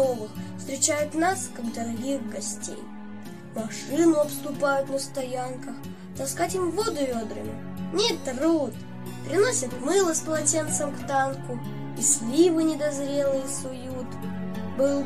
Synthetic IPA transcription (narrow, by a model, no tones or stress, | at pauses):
ovɨxfst̪ɾʲɪt͡ɕæjʊt̪naskaɡd̪əɾɐɡʲixɡɐsʲtʲḛj | mɐʂɨnʊɐpst̪ʊpajʊt̪nəst̪ɐjankəx | t̪ɐskatʲɪmvod̪ʊvʲod̪ɾɨ̰mʲɪ̰ | nʲet̪rot̪ | pɾʲɪno̞sʲət̪mɨlˠəsplˠɐtʲe̞nt̪səmkt̪ankʊ | isʲlʲivɨnʲɪd̪ɐzɾʲelˠɨjəsʊjut̪ | bɨlˠ